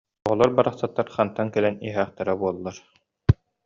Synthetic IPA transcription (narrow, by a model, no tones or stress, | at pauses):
ɔʁɔlˠɔɾbaɾaχsat̪ːaɾχant̪ankɛlɛniɦæːχt̪ɛɾɛbuɔlˠːaɾ